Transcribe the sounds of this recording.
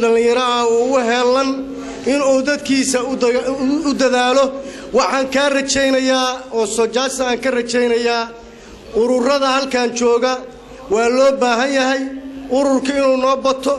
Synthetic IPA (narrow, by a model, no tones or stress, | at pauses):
dɐlɪ̃jɐɾɐɐuːʊɦɛlːɐn | ʔɪnuːd̪ɐd̪kʰiːsɐ | ʊd̪ɐðaːlɔ | wɑħɑːŋkʰaːrɐt͡ʃɛjnɐjaːɔːsɔt͡ʃaːsɐaːŋkʰɐrɐt͡ʃɛjnɐjaː | ʔʊɾʊrɐðɐhɐlkʰaːnt͡ʃɔːɣɐ | wɑːlɔːbaːɦɐnjɐɦɛjʔʊɾʊrkʰɐɪnuːnɔːbɐt̪ʰɔ